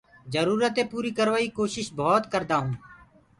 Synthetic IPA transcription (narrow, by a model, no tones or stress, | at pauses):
d͡ʒəɾuːɾət̪eːpuːɾiːkəɾʋaːiːkoːʃɪʃbʱɔːt̪kəɾd̪aːɦũː